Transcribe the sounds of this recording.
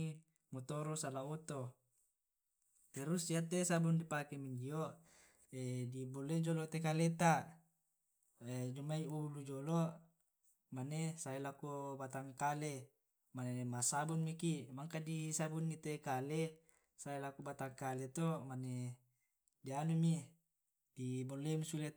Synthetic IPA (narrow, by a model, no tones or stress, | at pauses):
mut̪oɾosalaot̪o | t̪ɛɾusiat̪ːesabundipakemiɲd͡ʒio | ediboled͡ʒolot̪ek̬alet̪a | ed͡ʒumːaiuulud͡ʒolo | manesaelakubat̪aŋkale | manemasabunmikimaŋkadisabunːit̪ekale | saelakubat̪aŋkalet̪omane | dianumi | dibolːemusule